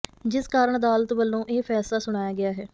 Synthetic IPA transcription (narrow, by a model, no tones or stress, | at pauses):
d͡ʒɪskaːɾəɳd̪aːlt̪ʋəlːõːʔeːpʰɛːslaːsʊɽ̃aːjaːɡɪaːɦɛː